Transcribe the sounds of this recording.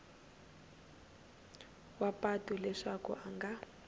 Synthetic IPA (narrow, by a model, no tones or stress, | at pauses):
wapatulɛʂakṵʔaŋɡa